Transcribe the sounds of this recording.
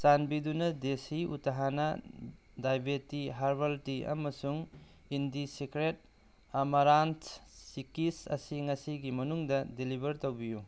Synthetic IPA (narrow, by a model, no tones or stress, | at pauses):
sanbidunɐdesiṵtaɦanɐ | dajbetiɦaɾbɐltiɐ̰mɐsuŋ | indisikɾet̚ | ɐmɐɾantsikisɐ̰siŋɐsiɡimɐnuŋdɐdilibɐɾtowbiju